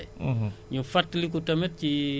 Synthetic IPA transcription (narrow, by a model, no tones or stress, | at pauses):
ɲufɐtːlik̬utɐmɛt̚ci